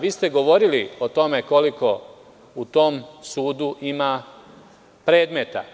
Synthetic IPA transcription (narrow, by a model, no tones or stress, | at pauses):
ʋiːst̪e̞ɡo̞ʋo̞ɾilio̞t̪o̞me̞ko̞liko̞ | ut̪o̞msuːd̪uʔima | pɾe̞ːd̪me̞t̪a̰